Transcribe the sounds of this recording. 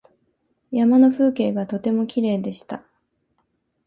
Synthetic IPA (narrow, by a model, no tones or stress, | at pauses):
jamano̞ɸɯːke̞ːɡat̪o̞t̪e̞mo̞kʲiɾe̞ːd̪e̞ɕi̥t̪a